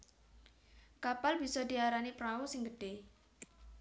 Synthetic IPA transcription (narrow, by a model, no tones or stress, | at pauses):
kapalb̥isɔd̪̥iaɾanipɾausɪŋɡəɖ̥e